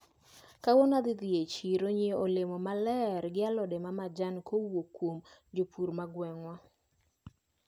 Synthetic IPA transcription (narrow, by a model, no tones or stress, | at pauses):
kawɔnad̪ɪd̪jet͡ʃiɾoɲeolemɔmalɛɾɡɪalɔdemamad͡ʒankʰowokwomd͡ʒopuɾmaɡwɛŋwa